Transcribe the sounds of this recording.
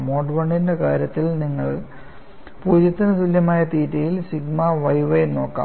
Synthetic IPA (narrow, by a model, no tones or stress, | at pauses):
moːɖʋɐɳɖindekaːɾjɐt̪ːilniŋːɐɭ | puːd͡ʑjɐt̪ːɐnɐsuljɐmaːjɐt̪iːtːɐjilsiɡmɐʋɐjʋɐjno̞ːkːa̰ːm